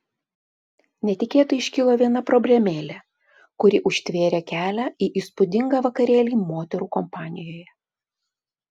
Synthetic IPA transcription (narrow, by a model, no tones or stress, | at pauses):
nʲɛt̪ʲɪkʲeːt̪ʊɪʃʲkʲɪlˠoːʋʲiɛnɐpɾɔbʲlʲɛmʲeːlʲɛ | kʊɾʲɪʔʊʃʲt̪ʲʋʲeːɾʲeːkʲæːlʲæːiʔiːspʊd̪ʲɪŋɡɑːʋɐkɐɾʲeːlʲiːmoːt̪ʲɛɾuːkɔmpɑːnʲɪjoːjɛ